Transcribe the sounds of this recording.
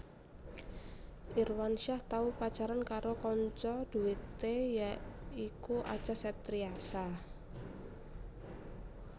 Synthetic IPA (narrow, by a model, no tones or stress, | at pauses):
ʔirwanʃaht̪aupḁt͡ʃaɾankaɾokɔɲt͡ʃɔd̪̥uwit̪ejaikuʔa̰̥t͡ʃasɛp̚t̪ɾiasa